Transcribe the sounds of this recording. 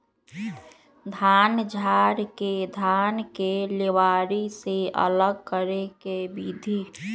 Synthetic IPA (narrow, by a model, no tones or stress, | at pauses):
d̪ʱaːnd͡ʒʱaːɾked̪ʱaːnkeleʋaːɾiseə̰ləɡ̚kəɾekebid̪ʱiː